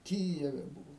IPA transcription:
ˈkʲiːjɛʋʲɛ ˈbuːʋoː

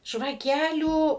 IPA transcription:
ʒʋɐˈkʲæːlʲuː

